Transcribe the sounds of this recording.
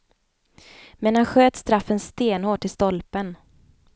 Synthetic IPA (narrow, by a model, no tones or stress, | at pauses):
mɛnhanɧøːt̪st̪ɾafːənst̪eːnhoːʈʰːɪlst̪ɔlpən